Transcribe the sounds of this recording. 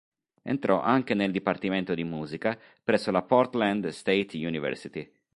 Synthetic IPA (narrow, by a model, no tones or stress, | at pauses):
ḛnt̪ɾɔ̰ʔaŋk̟eneld̪ipart̪iment̪od̪imuːzika | pɾɛsːolapɔrt̪land̪st̪ejt̪junivɛ̰rsit̪i